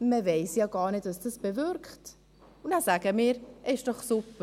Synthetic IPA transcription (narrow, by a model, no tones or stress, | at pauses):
məveɪsjaːɡɑːɾnetvɑsd̥ɑsb̥evʏɾkt | ʊnaːsaɡ̥əmiːɾʔɛɪʃd̥ɔχsupə